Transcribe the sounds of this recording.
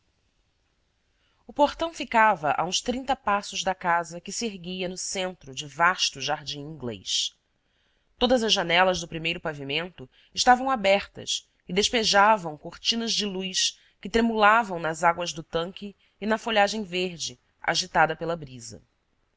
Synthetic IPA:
ʊpoχt̪ɐ̃w̃fikavɐʔa̰ũʃst̪ɾĩnt̪ɐpasʊʒd̪ɐkazɐkɪseɾɡiɐnʊsẽnt̪ɾʊd͡ʒɪvaʃt̪ʊʒaɾd͡ʒĩw̃ĩŋɡlḛs | t̪od̪ɐzɐzʒanɛlɐzd̪ʊpɾimejɾʊpavimẽnt̪ʊ | ɪʃt̪avɐ̃w̃abɛχt̪ɐ̰s | ɪd̪eʃpeʒavɐ̃w̃koɾt͡ʃĩnɐzd͡ʒɪlujs | kɪt̪ɾemulavɐ̃w̃nɐzaɡwɐzd̪ʊt̪ɐ̃ŋkʲɪː | nɐfoʎaʒẽj̃veɾd͡ʒɪ | a̰ʒit̪ad̪ɐpelɐbɾizɐ̰

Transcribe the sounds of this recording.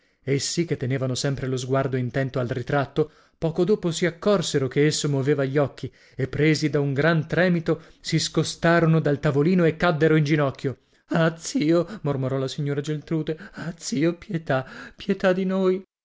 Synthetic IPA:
esːiket̪ːeneːvanosɛmpɾelozɡward̪oint̪ɛnt̪oalrit̪ɾat̪ːo | pɔːkod̪oːposiakːɔrseɾokeesːomoveːvaʎːɔkʰːi | epːɾeːzid̪auŋɡɾant̪ɾɛːmit̪osiskost̪aːɾonod̪alt̪avoliːnoekːad̪ːeɾoind͡ʒinɔkːjo | at̪siːomormoɾɔlasiɲːoːɾad͡ʒelt̪ɾuːd̪eat̪siːopjɛt̪apjɛt̪ad̪inoːj

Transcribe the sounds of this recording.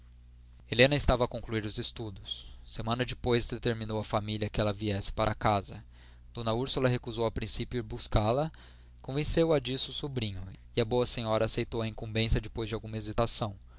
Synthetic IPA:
elẽnɐɪst̪avɐːkõkluiɾʊzest̪ud̪ʊsːemɐ̃nɐd͡ʒɪpojzd̪et̪eɾminowɐfamiliɐkɪɛlɐviɛsɪ̥paɾʔɐakazɐ | d̪̥õnɐuɾsulɐɦekuzowawpɾĩsipjʊiɾbuskalɐ | kõvẽsewɐd͡ʒisʊʊsubɾĩɲʊɪɐbowɐsẽɲɔɾɐːsejt̪owɐĩkũmbẽsɐd͡ʒɪpojzd͡ʒɪawɡũmɐezit̪asɐ̃w̃

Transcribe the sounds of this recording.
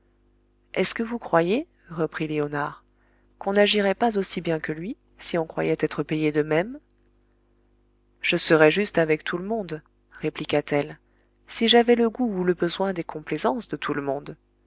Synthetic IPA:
ɛskəvukχwaje | ʁəpχileɔnaʁ | kɔ̃naʒiʁɛpazosibjɛ̃kəlɥi | siɔ̃kχwa̰jɛt̪ɛt̪χəpejed̪əmɛm | ʒ̥əsəʁɛʒyst̪avɛkt̪ʰuləmɔ̃d̪ | ʁeplikat̪ɛl | siʒavɛləɡuːləbəzwɛ̃d̪ekʰɔ̃plezɑ̃sd̪ət̪ʰuləmɔ̃d̪

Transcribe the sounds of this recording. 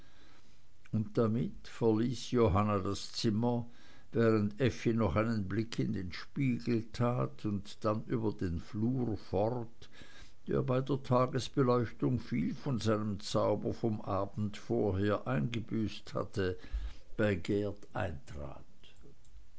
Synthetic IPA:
ʊntd̥amɪtfɛɐliːsjoɦanadast͡sɪmɐ | vɛːʁəntɛfinɔχaɪnənblɪkʰɪndeːnʃpiːɡl̩tʁaːtʰʊntd̥anʔyːbɐdeːnfluːʁfɔʁt | d̥ḛːɐbaɪdeːɐtʰaːɡəsb̥əlɔʏçtʊŋfiːlfɔnzaɪnəmt͡saʊbɐfɔmʔaːbn̩tfoːɐheːɐʔaɪnɡəbyːstha̰tʰə | b̥aɪɡɛːɐtʔa̰ɪntʁ̥a̰ːt

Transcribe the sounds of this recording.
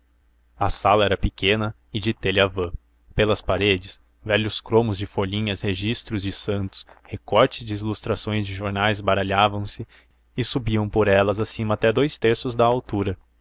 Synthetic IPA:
ɐsalɐɛɾɐpɪkẽnɐ | ɪd͡ʒɪt̪elɪavɐ̃ | pelɐspaɾed͡ʒɪs | vɛʎʊskɾõmʊzd͡ʒɪfoʎĩɲɐzheʒist̪ɾʊzd͡ʒɪsɐ̃nt̪ʊ̥shekɔɾt͡ʃɪzd͡ʒɪilust̪ɾasõj̃zd͡ʒɪʒoɾnajzbaɾaʎavɐ̃w̃sɪ | ɪsubiɐ̃w̃poɾɛlɐzasĩmɐːt̪ɛd̪ojst̪eɾsʊzd̪ɐawt̪uɾɐ

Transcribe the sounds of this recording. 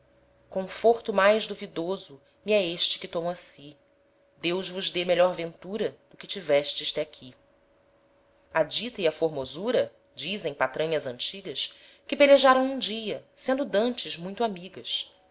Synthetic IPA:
kõfoɾt̪ʊmajʒd̪uvid̪ozʊ | miɛeʃt͡ʃɪ̥kɪt̪õmasi | d̪ewʒvʊʒd̪emeʎɔɾvẽnt̪uɾɐd̪ʊkɪt͡ʃivɛʃt͡ʃɪʃt̪ɛakʲʰi | ɐd͡ʒit̪ɐiɐfoɾmozuɾɐ | d͡ʒizẽj̃pat̪ɾɐ̃ɲɐzɐ̃nt͡ʃiɡɐs | kɪpeleʒaɾɐ̃w̃ũd͡ʒiɐsẽnd̪ʊd̪ɐ̃nt͡ʃɪzmũj̃t̪amiɡɐs

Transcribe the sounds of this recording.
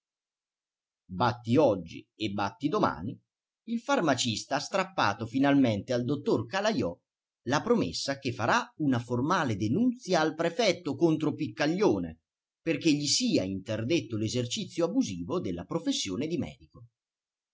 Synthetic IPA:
bat̪ːiɔd͡ʒːḭ | ebːa̰t̪ːid̪oma̰ːni | ilfarmat͡ʃist̪aast̪ɾapːa̰ːt̪ofinalment̪eald̪ot̪ːorkalajɔ | lapɾomḛsːak̟efːaɾaunaformaːled̪enunt̪sjaːlpɾefɛt̪ːokont̪ɾopikːaʎːoːnḛ | perk̟eʎːisiːaint̪erd̪et̪ːolezert͡ʃit̪sːjoabuziːvod̪elːa̰pɾofesːjoːned̪imɛ̰ːd̪iko

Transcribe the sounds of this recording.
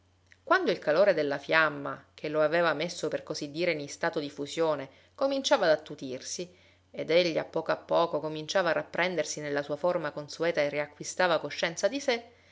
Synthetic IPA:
kwand̪oilkaloːɾed̪elːafjamːa̰kʰeloaveːvamesːoperkozid̪ːiːɾenist̪aːt̪od̪ifusjoːne | komint͡ʃaːvad̪at̪ːut̪irsi | ed̪eʎːia̰pːɔːkoapːɔːkokomint͡ʃaːvaːrːapːɾʔɛnd̪ersinelːasuːaformakonsuɛːt̪aeriakːwist̪aːvakoʃːɛnt̪sad̪ise

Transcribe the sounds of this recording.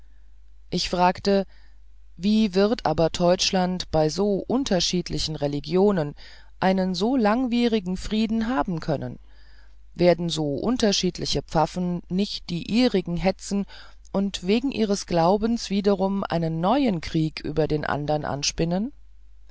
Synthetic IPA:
ʔɪçfʁ̥aːktə | viːvɪʁɐtʔaːbɐdɔʏt͡ʃlantb̥aɪzoːʔʊntʰɐʃiːtlɪçn̩ʁeliɡjoːnən | ʔaɪnənzoːlaŋviːʁɪɡŋ̩fʁ̥iːdn̩ɦaːbm̩kʰœnə̰n | veːɐdn̩zoːʔʊntɐʃiːtʰlɪçəpp͡fafn̩nɪçt̚d̥iːʔiːʁɪɡŋ̩ɦɛt͡sn̩ | ʔʊntv̥eːɡŋ̩ʔiːʁ̞əsɡ̥laʊbən̩sv̥iːdɐʁʊmʔa̰ɪnənːɔʏənkʁ̥iːkʰʔy̰ːbɐdeːnʔa̰ndɐnʔa̰nʃpɪnən

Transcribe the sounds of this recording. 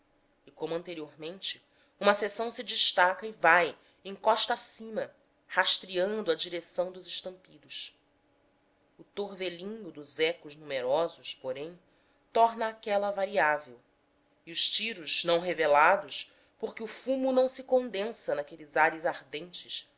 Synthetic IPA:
ikõmuɐ̃nt̪eɾioɾmẽnt͡ʃɪ̥ | ũmɐsesɐ̃w̃sid͡ʒiʃt̪akɐɪvaj | ẽj̃kɔʃt̪ɐasĩmɐ | haʃt̪ɾiɐ̃nd̪ʊɐd͡ʒiɾesɐ̃w̃d̪ʊzɪʃt̪ɐ̃mpid̪ʊs | ʊt̪oɾvelĩɲʊd̪ʊzɛkʊʒnumeɾɔzʊʃpoɾẽj̃ | t̪ɔɾnɐːkɛlɐvaɾiavew | iuʃt͡ʃiɾʊznɐ̃w̃ɦevelad̪ʊʃ | poɾkɪufũmunɐ̃w̃sɪkõnd̪ẽsɐnakelizaɾizaɾd̪ẽnt͡ʃɪʃ

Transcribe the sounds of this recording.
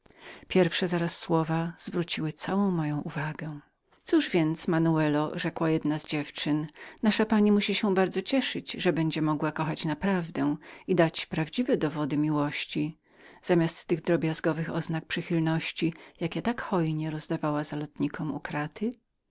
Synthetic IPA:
pʲjɛɾfʂɛzaɾasːwɔvaz̥vɾut͡ɕiwɘt̪sawɔ̃w̃mːɔjɔ̃w̃ʔuvaɡɛ | t̪suʐvʲjɛnt̪smanuɛlɔʐɛkwajɛd̪nazd͡ʑɛft͡ʂɘnnaʂapaɲimuɕiɕɛbaɾd̪zɔt͡ɕɛʂɘd͡ʑʐɛbɛɲd͡ʑɛmɔɡwakɔxat͡ɕnapɾavd̪ɛ̃id̪at͡ɕpɾavd͡ʑivɛd̪ɔvɔd̪ɘmʲiwɔɕt͡ɕi | z̥amʲast̪ːɘɣd̪ɾɔbʲjazɡɔvɘxɔ̰znak̚pʂɘxʲilnɔɕt͡ɕijakʲɛt̪akxɔjɲɛɾɔzd̪avawazalɔt̪ɲikʰɔmṵkɾat̪ʰɘ

